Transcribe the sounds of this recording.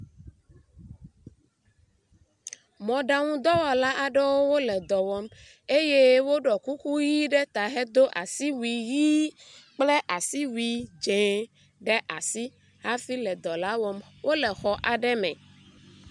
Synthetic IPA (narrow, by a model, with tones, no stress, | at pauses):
mɔ̃˨ɖa˨ŋũ˦d̪ɔ˦wɔ˨la˦ʔa˨ɖɛ˦wo˦wo˦lɛ˨d̪ɔ˨wɔ˦m | e˦je˦wo˦ɖɔ˨ku˦ku˦ji˦ɖɛ˦t̪a˨ɦɛ˦d̪o˦ʔa̰˨si˦wi˨ji˦k͡plɛ˦ʔa˨si˦wi˨d͡ʒẽ˨ | ɖɛ˦ʔa˨si˦ | ha˦fi˦lɛ˨d̪ɔ˨la˦wɔ˦m | wʔo˦lɛ˨xɔ˨ʔa˨ɖɛ˦mɛ̰̃˨